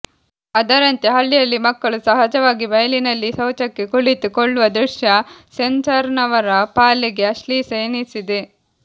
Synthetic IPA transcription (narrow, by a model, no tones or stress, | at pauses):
ɐd̪ɐɾɐnt̪jɐɦɐɭːijɐlːimɐkːɐɭusɐɦɐd͡ʒɐʋaːɡibɐjɐlinɐlːisɐwt͡ʃɐkːe̞kuɭit̪ukoɭːuʋɐd̪ɾuʃjɐsensɐɾnɐʋɐɾɐpaːliɡe̞ɐʂlisɐjnisid̪e